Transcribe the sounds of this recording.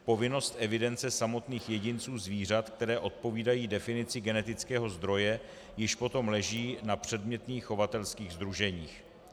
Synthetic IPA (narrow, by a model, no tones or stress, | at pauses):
po̞vɪno̞st̪ʔɛvɪdɛnt͡sɛsamo̞t̪niːxjɛɟɪnt͡suːzviːr̝at̪k̚t̪ɛɾɛːʔo̞t̪̚po̞viːdajiːdɛfɪnɪt͡sɪɡɛnɛt̪ɪt͡skɛːɦo̞zd̪ɾo̞jɛ | jɪʃpo̞t̪o̞mlɛʒiːnapr̝̥ɛdmɲɛt̪niːxːo̞vat̪ɛlskiːɣzd̪ɾuʒɛɲiːx